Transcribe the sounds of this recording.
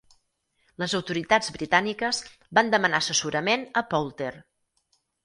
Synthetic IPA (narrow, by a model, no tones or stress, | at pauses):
ləzəwt̪uɾit̪ad͡zβɾit̪anikəz | band̪əmənaəsəsuɾəmenəpɔlˠt̪er